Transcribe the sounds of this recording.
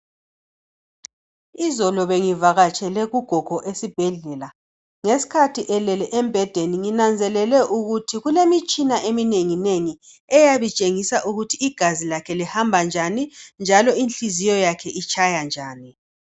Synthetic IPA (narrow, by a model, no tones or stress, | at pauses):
izɔlɔβeŋivaɣat͡ʃʼɛlɛɣuɡ̥ʱɔɡ̥ʱɔʔesib̥ʱɛɮɛːla | ŋesi̥kʰatʰiʔɛlɛlɛʔɛmbʱɛd̥ʱeniŋinand͡zʱɛlɛlɛʔuɣutʰiɣulemit͡ʃʼinaʔemineŋineŋi | ɛjaβit͡ʃʼeŋisaʔuɣutʰiːɡ̥ʱazilakʰɛlihambʱand͡ʒʱanind͡ʒʱalɔinɬizijɔjakʰɛʔit͡ʃʰʼajand͡ʒʱaːni